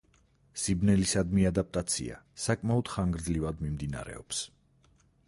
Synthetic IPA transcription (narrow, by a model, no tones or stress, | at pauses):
sibnɛlisad̪miad̪ap̚ʼt̪ʼat̪sʰḭa̰sakʼmaɔd̪̥χaŋɡɾd̪zlivad̪mimd̪ina̰ɾɛ̰ɔps